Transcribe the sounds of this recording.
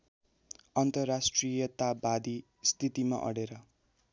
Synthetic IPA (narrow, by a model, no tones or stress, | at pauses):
ʌnt̪ʌrːasʈrijʌt̪abad̪i | st̪ʰit̪ima̰ʔʌ̰ɽeɾʌ